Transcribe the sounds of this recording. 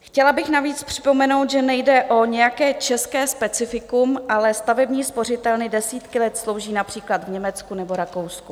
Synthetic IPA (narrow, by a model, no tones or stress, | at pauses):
xcɛlabɪxnaviːt͡spr̝̥ɪ̥po̞mɛno̞wt̪ʒɛnɛjdɛʔo̞ɲɛjakɛːt͡ʃɛskɛːspɛt͡sɪfɪkumʔalɛst̪avɛbɲiːspo̞rɪt̪ɛlnɪdɛsiːt̪kɪlɛt̪slo̞wʒiːnapr̥iːklad̪vɲɛmɛt͡skunɛbo̞ɾako̞wsku